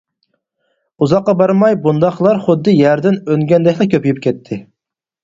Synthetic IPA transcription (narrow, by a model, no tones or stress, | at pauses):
uzɑqːɑbɑɾmɑjbund̪ɑχlˠɑɾχʊd̪ːɨjæɾd̪ɪnøŋɡʲɛnd̪ɛkʲlˠɑkʲʰøpʰyjyp̚kʲʰɛt̪ʰːɪ